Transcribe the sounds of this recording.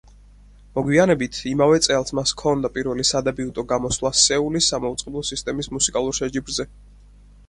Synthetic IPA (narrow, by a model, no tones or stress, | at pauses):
mɔɡwianɛbit̪ʰimavɛt̪sʼɛlˠsmaskʰɔnd̪apʼiɾvɛlisad̪abiut̪ʼɔɡamɔslˠasɛulisːamaut̪sʼqʼɛblˠɔsist̪ʼɛmismusikʼalˠuɾʃɛd͡ʒibɾzɛ